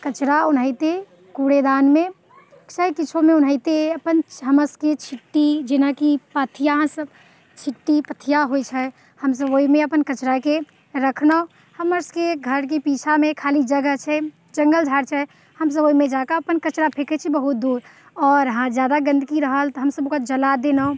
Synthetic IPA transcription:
kət͡ʃɾaunɦəɪt̪e | kuɽed̪anme | səjkit͡ʃʰomeunɦəɪt̪eəpənɦəməsket͡ʃʰiʈːid͡ʒenakipət̪ʰijaɦsəb | t͡ʃʰiʈːipət̪ʰijaɦojt͡ʃʰɛ | həms̬əboimeəpənkət͡ʃɾake | ɾəkʰnəo | həməɾskeɡʱəɾk̬ipit͡ʃʰamekʰalid͡ʒəɡət͡ʃʰɛ | d͡ʒəŋɡəld͡ʒʱaɾt͡ʃʰɛ | həms̬əboimẽd͡ʒakaəpənkət͡ʃɾapʰekɛt͡ʃʰibəɦut̪̚d̪uːɾ | ɔːɾɦãd͡ʒjad̪aɡə̃nd̪əkiɾəɦəlt̪ɔɦəmsəbokad͡ʒəlad̪enəõ

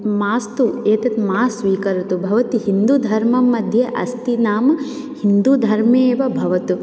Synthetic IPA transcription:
maːst̪ueːt̪ɐt̪maːsʋiːkɐɾut̪ubʱɐʋɐt̪iɦind̪ud̪ʱɐɾmɐmːɐd̪ʱjeʔɐ̰st̪inaːm | hind̪ud̪ʱɐɾmeːʋɐbʱɐʋɐt̪u

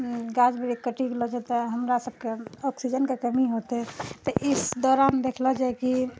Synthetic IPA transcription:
ɡad͡ʒbeɾekəʈiɡelɔt͡ʃʰɛt̪ɔɦəmɾasəb̚keɔksid͡ʒənkekəmiɦot̪ɛt̪ɔʔisd̪ɔɾamed̪ekʰlɔd͡ʒaeki

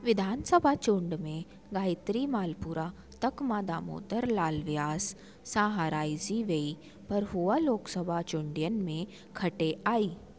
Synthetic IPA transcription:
ʋɪd̪ʱaːnsəbʱat͡ʃʊ̃ɳɖmẽ | ɡaːɪt̪ɾimaːlpuːɾa | t̪ɐkmaːd̪aːmo̰ːt̪əɾlaːlʋjaːs | saːɦaɾaːiziʋei | pɐɾɦualoːksəbʱat͡ʃʊ̃ɳɖijənmẽ | kʰɐʈeʔaːiː

